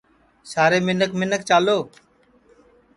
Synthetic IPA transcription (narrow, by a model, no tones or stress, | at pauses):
saːɾeːmɪnəkmɪnək̚t͡ʃaːloː